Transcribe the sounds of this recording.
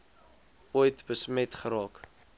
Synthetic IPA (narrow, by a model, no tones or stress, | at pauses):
ujtbəsmɛtχəɾɑːk